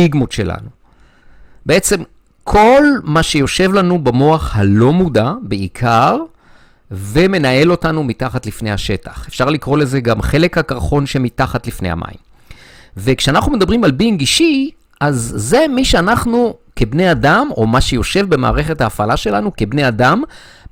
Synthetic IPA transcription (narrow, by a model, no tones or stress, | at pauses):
iɡmotʃe̞̰la̰nu | be̞e̞t͡se̞m | kʰo̞lmaʃejo̞ʃe̞vlanubamo̞aχhalo̞mudabeikʰaʁ | ve̞me̞nae̞lo̞tanumitaχatlifnejhaʃe̞tḁχefʃaʁlikʁo̞le̞ze̞ɡamχe̞le̞khakaʁχo̞nʃe̞mitaχatlifnejha̰mʔa̰ḭm | ve̞kʃeanaχnumed̪abʁimalbinɡiʃi | ʔazːe̞miʃeanaχnuke̞bne̞jadamo̞maʃejo̞ʃe̞vbe̞ma̰ːʁe̞χethaːfalaʃe̞lanuke̞bne̞jadam